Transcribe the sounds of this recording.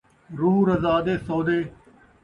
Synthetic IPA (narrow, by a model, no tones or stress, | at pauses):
ɾuːɾəzaːd̪eːsoːd̪eː